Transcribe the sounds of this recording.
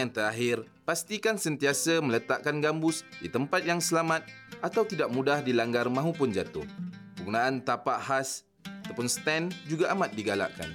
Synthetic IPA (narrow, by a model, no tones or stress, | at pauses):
aŋt̪əɾaɦɪr | past̪ikansənt̪iasəmə̃lət̪aʔkanɡambʊsdḭt̪əmpat̪̚jaŋsəlamãt̪̚ʔat̪awt̪idaʔ̚mũdahdilaŋɡarmãɦũpʊnd͡ʒat̪ʊ̰hbəɡunaʔant̪apaʔɦas | at̪awpʊnst̪ɛnd͡ʒuɡaʔamat̪̚diɡala̰ʔka̰n